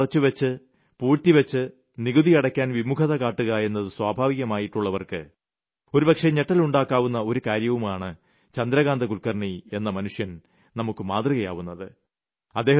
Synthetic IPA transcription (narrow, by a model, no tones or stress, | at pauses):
rɐt͡ɕːuʋɐt͡ɕːɨ | puːɻt̪ːiʋɐt͡ɕːɨ | niɡuðijɐɽɐkʲːaːnʋimukʰɐðɐkaːʈːuɣɐe̞nːɐðɨswaːbʱaːʋiɣɐmaːjiʈːuɭːɐʋɐrkɨ̰ | o̞ɾubɐkʂeɲeʈːɐluɳɖaːkːaːʋunːɐo̞ɾukaːɾjɐʋumaːɳɨ | t͡ɕɐnd̪ɾɐɣaːnd̪ɐkulkɐrɳie̞nːɐmɐnuʂjɐn | nɐmukːɨmaːt̪riɣɐjaːʋunːɐðɨ | ɐd̪ːeɦ